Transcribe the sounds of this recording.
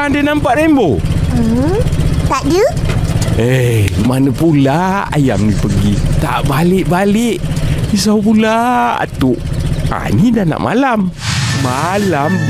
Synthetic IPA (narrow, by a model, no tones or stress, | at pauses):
andənampaʔɾembo | t̪aʔd͡ʒu | emanəpulaa̰ja̰mnipəɡit̪a̰ʔbalɪʔbalɪʔis̬awpulaa̰t̪uʔ | a̰nidana̰ʔma̰lamː | alam